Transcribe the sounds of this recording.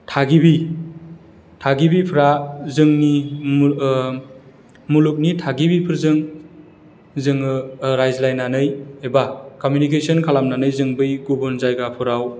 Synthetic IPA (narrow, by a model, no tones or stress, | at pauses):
tʰaɡibi | tʰaɡibipʰɾazɯŋni | muluk̬̚nitʰaɡibipʰɯɾzɯŋ | zɯŋɯɾajzlajnːanɯjebakɔmjunik̬esʰɔnkʰalamnanɯjzɯŋbɯjɡubɔnzajɡapʰɯɾaw